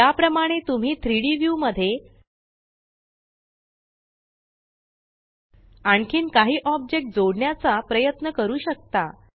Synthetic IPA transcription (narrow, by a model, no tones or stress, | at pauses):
japɾəmaɽ̃et̪um̤iːt̪ʰɾiɽiʋjuːməd̪ʱːje | aɳkʰiːnkaɦiːʔɔb̚d͡ʑek̚ʈ̚d͡zoɽɳjat͡sapɾəjət̪nəkəɾuːɕək̚t̪a